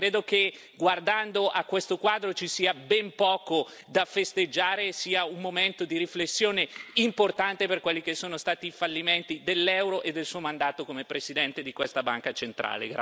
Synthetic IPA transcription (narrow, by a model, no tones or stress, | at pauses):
kɾeːd̪oke | ɡward̪and̪oʔakːwest̪okwaːd̪ɾot͡ʃisiːabɛmpɔːko | d̪afest̪ed͡ʒːaːɾesiːaummoment̪od̪iɾiflesːjoːneimport̪ant̪eperkwelːikesːoːnost̪aːt̪iːfalːiment̪id̪elːɛwɾoʔed̪ːelsuːomand̪aːt̪okomepɾesid̪ɛnt̪ed̪ikwest̪aba̰ŋkat͡ʃent̪ɾa̰ːlḛɡɾ